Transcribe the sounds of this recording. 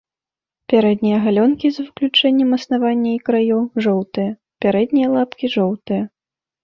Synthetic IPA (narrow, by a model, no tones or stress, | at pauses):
pʲaɾɛd̪nʲijɐɣalʲɔnkʲizvɨklʲut͡ʂɛnʲːɛmɐsnavanʲːɐikɾajɔʐɔwt̪ɨjɐ | pʲaɾɛd̪nʲijɐlˠapkʲiʐɔwt̪ɨjɐ